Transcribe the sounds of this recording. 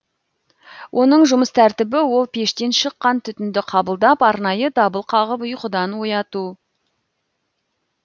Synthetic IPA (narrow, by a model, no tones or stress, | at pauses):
wʔo̞nəɴʒʊməst̪ʰæɾt̪ɪbɪwo̞lˠpʰe̞ʃt̪e̞nʃəqːɑnt̪ʰʏt̪ɪnd̪ɪqʰɑbəlˠd̪ɑpɑɾnɑjəd̪ɑbəlˠqʰɑʁəpʊjqʊd̪ɑnwo̞jɑt̪u